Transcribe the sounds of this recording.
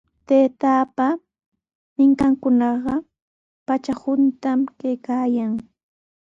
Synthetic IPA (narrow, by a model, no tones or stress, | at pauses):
t̪eːt̪aːpa | mɪŋkaŋkʊnɑɢɑ | pat͡ʃahʊnt̪amkajkaːjaŋ